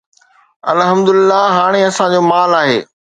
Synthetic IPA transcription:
ɐlɦɐmd̪ʊlɪlːaɦaːɽ̃eɐsãd͡ʑoːmaːlaːɦḛː

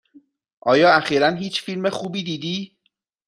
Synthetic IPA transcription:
ʔɒːjɒːæxiːɾænɦiːt͡ʃfilme̞xuːbiːd̪iːd̪iː

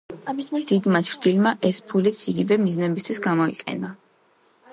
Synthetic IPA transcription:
d̪̥id̪mat͡ʃʰɾd̪ilmaʔɛspʰulit̪sʰiɡivɛmiznɛbist̪ʰwisɡamɔḭqʼɛ̰na

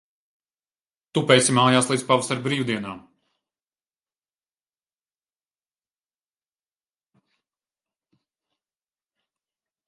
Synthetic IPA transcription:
t̪upɛjsʲimaːjaːslˠiːd̪zpavsaɾbɾiːwd̪iɛnaːm

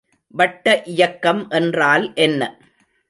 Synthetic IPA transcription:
ʋɐʈːɐʔɪjɐkːɐmʔɛndraːlʔɛnːɐ

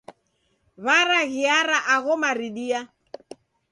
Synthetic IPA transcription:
βaɾaɣiaɾaʔaɣɔmaɾiɗia

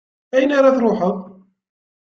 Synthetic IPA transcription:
æjənaɾˤɑθɾˤoħəʁ

